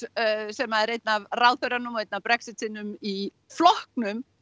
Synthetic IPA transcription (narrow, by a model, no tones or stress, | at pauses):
sɛmaɛɾejt̪navraːwθœɥɾanʏmɔejt̪navpɾɛksɪt̪sɪnʏmi | flɔhk̚nʏm